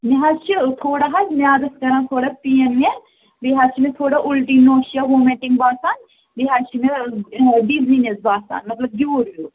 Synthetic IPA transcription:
meɦat͡ʃʰit̪ʰoːɽaːɦasmẽaːd̪ɐskɐɾãːt̪ʰoːɽaːpienẽ | biɦat͡ʃʰimẽt̪ʰoːɽaʔʊlʈiːnoːʃiamoːmẽɳʈɪ̃ŋɡ̚baːsaːn | biɦat͡ʃʰimẽ | ɖiziːnesbaːsa̰ːnmɐt̪ləb̚ɡjuɾjuː

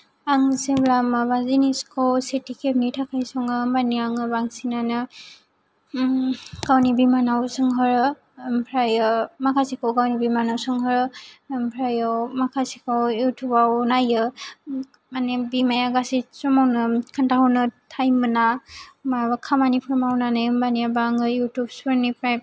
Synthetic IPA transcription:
aŋseblamabaziniskʰɔwsetikʰep̚nitʰakʰajsɔŋɯmaniaŋɯbaŋsinanɯ | ɡ̥awnibimanawsɯŋɦɯɾɯ | mpʰɾajɯmakʰasikawɡawnibimanawsɯŋɦɯɾɯmpʰɾajawmakʰasikawjutʰupawnajɯ | manebimajaɡasisɔmawnɯkʰantaɦɔnɯtʰajmɯnamabakʰamanipʰɯɾmawnanɯjɯmbanijabaŋɯjutup̚sɔɾnipʰɾajp̚

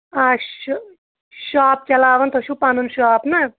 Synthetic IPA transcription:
a | ʃaːp̚t͡ʃɐlaːʋɐnt̪ʰɔʃupanunʃaːpnɐ

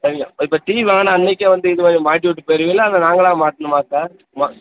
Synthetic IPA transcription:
sɐɾɪŋɡɐɪpːoːʈiːʋaːnaɐnːɛkːɐʋɐnd̪ɯɪðɯmaːd̪ɾimaːʈ̬ːiʋɪʈ̬ːɯpoːjɾɯʋiːlːɐːndɐnaːŋɡɐlãːmaːʈːɐnɯmaːkaːɾ | ma

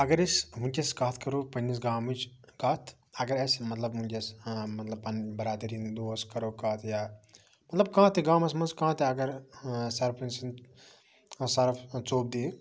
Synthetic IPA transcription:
ɐɡɐɾisɦunʲt͡ʃeskaːt̪ʰkɐɾoːpɐnis̬ɡaːmit͡ʃ | kaːt̪ʰ | ɐɡɐɾɐsmɐt̪lɐbmũnʲt͡ʃɐsmɐt̪lɐbpɐnbɐɾaːd̪ɐɾiːnd̪oːskɐɾoːkaːt̪ʰjaː | mɐt̪lɐb̚kãːt̪eɡãːmɐsmɐnskãːt̪eɐɡɐɾsɐɾpɐnsɐn | sɐɾɐfʰt͡soːb̚d̪iː

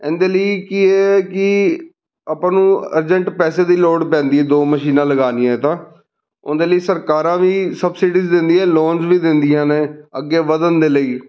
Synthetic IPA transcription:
ɛ̰̃ːnd̪eːləiːkiɛːkɪ | əpãːnũːə̰ɾd͡ʒəɳʈpɛːseːd̪iːloːɖpɛ̃ːnd̪iːɛːd̪oːməʃiːnãːləɡaːnijãːt̪ãː | ʊ̰nd̪eːləiːsəɾkaːɾãːʋiːsəbsɪɖiːzd̪ɪ̃nd̪iːɛ̃ːloːnzʋiːd̪ɪ̃nd̪ijãːneːəɡːeːʋəd̪ənd̪eːləiː

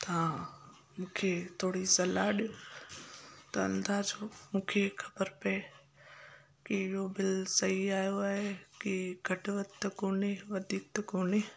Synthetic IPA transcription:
t̪ãː | mũːkʰet̪ʰoːɽisɐlaɗijõ | t̪ɐɐ̰̃nd̪aːd͡ʑoːmũːkʰexʰɐ̥bəɾpɐe | kɪɪɦobɪlsɐɦiaːɦijoaːɦekɪɡʱɐʈʋət̪t̪ɐkoːneʋɐd̪ʱiːk̚t̪ɐkoːne

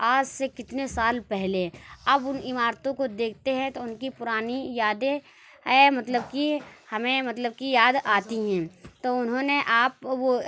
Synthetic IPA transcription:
aːd͡ʒsekɪt̪nesaːlpɛɦleɐbʊnɪmaːɾt̪õkod̪eːkʰt̪eɦɛ̃t̪oʊnkipʊɾaːnijaːd̪ẽ | ɦɛːmɐt̪ləb̚kihɐmẽmɐt̪ləb̚kijaːd̪aːt̪iɦɛ̃ːt̪oʊnɦõneʔaːp̚ʋo

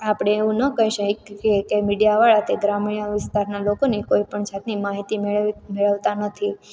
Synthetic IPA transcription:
apɽ̃eːʋũnəkəɦjʃəkekemiɖijaʋaɭat̪eɡɾamiɳjəʋɪst̪aɾnalokonikoipəɳd͡ʒat̪nimaɦit̪imeɭmeɭəʋt̪anət̪ʰi

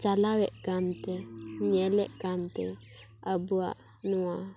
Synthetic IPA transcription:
t͡ʃalawɛʔɡant̪ɛɲɛlɛʔɡant̪ɛ | əbua̰ʔ | nuwa

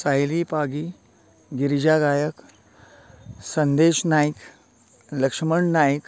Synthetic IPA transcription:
sajlipaɡi | ɡiɾd͡ʑaɡajək | sənd̪eʃnajk | ləkʂməɳnajk

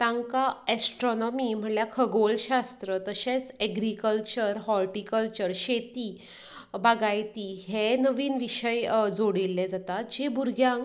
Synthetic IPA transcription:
t̪ãŋkaɛsʈɾɔnɔmim̤əɳljakʰəɡolɕast̪ɾət̪əɕẽt͡sɛɡɾikəlt͡ɕəɾɦɔlʈikəlt͡ɕəɾɕet̪iː | baɡajt̪iːɦenəʋiːnʋiɕəjd͡zoɽilːɛd͡zat̪at̪̚d͡ʑebʱuɾɡʱjãŋ

